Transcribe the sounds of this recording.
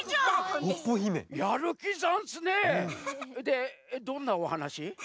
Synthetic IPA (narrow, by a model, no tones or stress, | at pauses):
opːoçimejaɾɯkʲizansɨne | d̪ed̪õnːaohanaɕi